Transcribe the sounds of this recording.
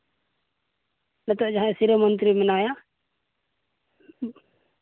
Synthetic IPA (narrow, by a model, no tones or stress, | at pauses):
nɛt̪ɔʔd͡ʒaɦãsiɾəmɔnt̪ɾimɛnaja